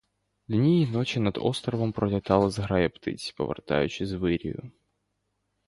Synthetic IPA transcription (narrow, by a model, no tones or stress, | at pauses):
lʲnʲijinot͡ɕɪnɐd̪o̰st̪ɾəvəmpɾəlʲɪt̪ɑlˠəzɣɾajɛpt̪ɨ̰tʲpə̰vɨ̰rt̪a̰jʉ̰t͡ɕɪzvɨɾʲɪ̰jʊ̰